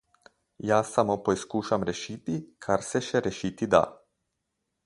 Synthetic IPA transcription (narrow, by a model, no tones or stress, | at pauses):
jaːsamopojskuʃamɾeʃit̪ikʰaɾseʃeɾeʃit̪id̪a̰